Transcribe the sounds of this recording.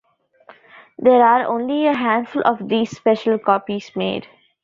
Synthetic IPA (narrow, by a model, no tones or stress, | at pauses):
d̪eːɾaːɾõːnlieɦæ̃ːɳɖfʊlʔɔːʋd̪iːzspɛʃəlkɔːpiz̥mḛːɖ